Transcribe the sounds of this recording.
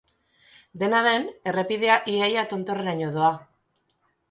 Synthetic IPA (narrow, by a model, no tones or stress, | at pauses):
d̪e̞naðe̞ne̞re̞piðe̞aʔiajat̪o̞nt̪o̞reɾaɲoðo̞a